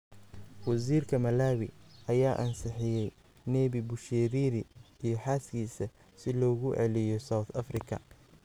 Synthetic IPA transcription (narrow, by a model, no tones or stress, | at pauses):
wɑs̬iːrkʰɐmɐlaːwɪɐjaːʔɐnsɪħɪjɛj | nɛːβibʊʃɛːɾiːɾɪijɞħaːskʰiːsɐ | sɪlɔːɣʊʔɛ̰lɪjɔsawθɐfrɪkʰɐ̰